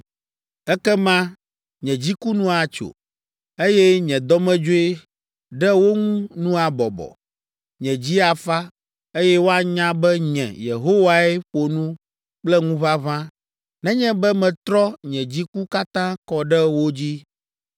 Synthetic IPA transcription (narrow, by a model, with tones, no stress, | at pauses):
ɛ˦kɛ˦mã˦ | ɲɛ̃˨d͡ʑi˦ku˦nũ˦a˨t͡ʃo̰˨ | e˦jɛ˦ɲɛ̃˨d̪ɔ˦mɛ̃˦d͡ʒo˦e˦ | ɖɛ˦wo˦ŋũ˦nũ˦a˨bɔ˨bɔ̰˨ | ɲɛ̃˨d͡ʑi˦a˨fa˦ | e˦jɛ˦wo˦a˨ɲã˦bɛ˦ɲɛ̰̃˨jḛ˨ɦo˦wa˦ɛ˦ɸo˨nũ˦ | k͡plɛ˦ŋũ˦βa˦βã˦ | nɛ̃˦ɲɛ̃˦bɛ˦mɛ̃˨t̪ɾɔ˦ɲɛ̃˨d͡ʑi˦ku˦ka˦t̪ã˦kɔ˨ɖɛ˦wo˦d͡ʑi˦